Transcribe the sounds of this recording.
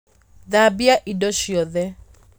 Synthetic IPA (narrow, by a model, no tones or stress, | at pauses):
ðabiaʔidɔʃjɔðɛ